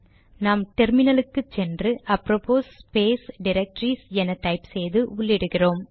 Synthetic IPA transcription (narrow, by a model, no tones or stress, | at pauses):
naːmʈɛɾmɪnɐlɯkːɯt͡ʃːɛndrɯʔɐpːɾopoːspeːsɖɪɾɐk̚ʈɾiːsɛnɐʈɐɪpsɛjðɯʊɭːɪɽɯɣɪroːm